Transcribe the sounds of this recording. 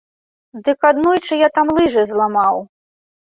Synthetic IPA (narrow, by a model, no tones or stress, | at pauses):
d̪ɨkad̪nɔjt͡ʂɨjat̪amlˠɨʐɨzlˠamaw